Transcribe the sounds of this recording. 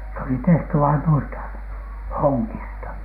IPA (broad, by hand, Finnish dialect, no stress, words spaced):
s oli tehty ʋɑin nuistɑ hoŋːistɑ